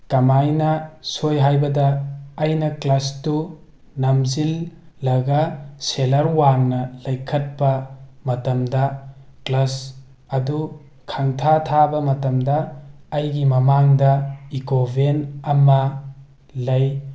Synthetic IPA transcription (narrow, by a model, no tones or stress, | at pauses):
kɐmajnɐsojɦajbɐdɐːjnɐklɐstu | nɐmzilːɐɡɐselɐɾwaŋnɐlɐjkʰɐt̚pɐmɐtɐmdɐklɐs | ɐdu | kʰɐŋtʰatʰabɐmɐtɐmdɐːjɡimɐmaŋdɐikobʱenɐmɐ | lɐj